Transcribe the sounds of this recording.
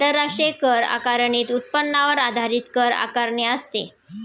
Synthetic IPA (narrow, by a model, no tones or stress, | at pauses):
t̪əɾːaʂʈɾekəɾa̰kaɾɳiːt̪ut̪̚pənːaʋəɾad̪ʱaɾiːt̪kəɾa̰kaɾɳeəst̪ḛ